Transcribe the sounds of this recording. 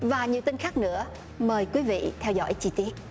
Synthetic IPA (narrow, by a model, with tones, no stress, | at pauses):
vaː˨˩ɲi˨˩əwt̪i˧ŋ̟xaː˦˥k̚nɨ̰˧˥ə | məː˨˩jkwi˨˦vḭ˧˨t̪ʰɛ˧wzɔ̰˧˥jt͡ɕi˧t̪i˦˥ət̚